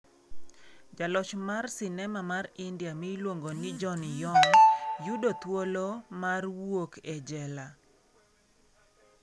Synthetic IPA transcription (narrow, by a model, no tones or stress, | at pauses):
d͡ʒalɔt͡ʃmarsɪnɛmamarɪndjamilwoŋɡonɪd͡ʒɔnjɔnjudot̪wolomarwokɛd͡ʒɛla